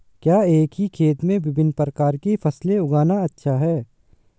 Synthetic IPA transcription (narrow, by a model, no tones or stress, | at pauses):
kjaːeːkɦikʰeːt̪mẽbɪbɪnːpɾəkaːɾkifʰɐsleʊɡaːnaɐtːʃʰaɦɛː